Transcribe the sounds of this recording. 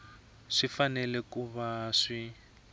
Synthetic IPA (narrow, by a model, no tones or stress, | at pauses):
ʂifanɛlɛkuβaʂi